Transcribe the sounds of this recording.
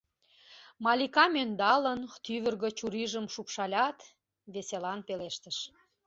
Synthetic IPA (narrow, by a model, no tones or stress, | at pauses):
mɑlʲikɑmønd̪ɑlənt̪yβərɣə̆t͡ɕuɾiʒəmʃupʃɑlʲɑt̪ | βeselɑnpeleʃt̪əʃ